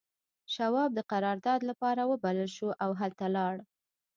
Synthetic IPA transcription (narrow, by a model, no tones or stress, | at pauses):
ʃawɑb̚d̪əqaɾɑɾd̪ɑd̪lapɑɾawəbaləlʃuʔawɦalt̪alɑɽ